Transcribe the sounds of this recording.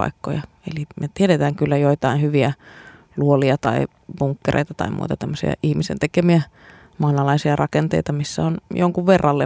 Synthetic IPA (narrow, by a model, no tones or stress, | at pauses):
ɑ̰ikːo̰jɑ | ḛlimet̪iedet̪æːŋkylːæjoit̪ɑinhyʋiæ | luoliɑt̪ɑi | buŋkːerʔḛˑit̪ɑt̪ɑ̰imṵit̪ɑt̪æmːøsḭɑ̰ʔihmisḛnt̪ekemiæ | mɑːnɑlɑisiɑrʔɑkent̪ḛit̪ɑmisːæ̰onjoŋkuʋʋerːɑlːe